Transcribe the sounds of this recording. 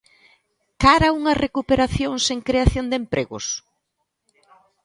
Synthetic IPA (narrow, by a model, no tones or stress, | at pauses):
kaɾɐuŋɐrekupeɾaθjoŋseŋkɾeaθjond̪empɾʔeɣʊ̰s